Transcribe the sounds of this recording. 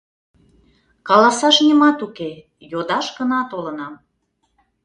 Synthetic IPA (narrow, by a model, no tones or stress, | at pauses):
kɑlɑsɑʃnʲimɑt̪uke | jod̪ɑʃɡənɑt̪olənɑm